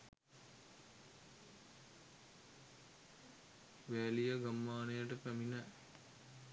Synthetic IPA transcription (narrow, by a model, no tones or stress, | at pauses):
ʋæːlijəɡamːaːnejəʈəpæminə